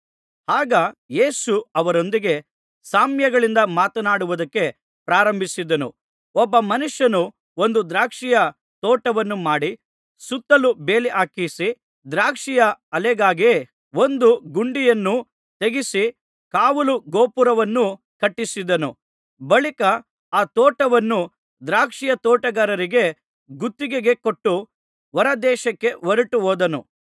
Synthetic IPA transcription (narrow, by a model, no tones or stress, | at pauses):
haːɡɐjeːsuɐʋɐɾo̞nd̪iɡe̞ | saːmjɐɡɐɭind̪ɐmaːt̪ɐnaːɽuʋud̪ɐkːe̞ | pɾaːɾɐmbʱisid̪ɐnṵ | ɔbːɐmɐnuʂjɐnu | o̞nd̪ud̪ɾaːkʂijɐ | t̪ɔːʈɐʋɐnːumaːɽi | sut̪ːɐlube̞ːliʔaːkisi | d̪ɾaːkʂijɐɐlɛɡaːɡi | ond̪uɡuɳɖijɐnːu | t̪e̞ɡisi | kaːʋuluɡoːpuɾɐʋɐnːu | kɐʈːisid̪ɐnu | bɐɭikɐ | aːt̪oːʈɐʋɐnːu | d̪ɾaːkʂijɐt̪ɔːʈɐɡɐɾɐɾiɡe̞ | ɡut̪ːiɡeɡe̞koʈːu | ʋɐɾɐd̪ɛːʃɐkːe̞ʋɐɾuʈuɦoːd̪ɐnṵ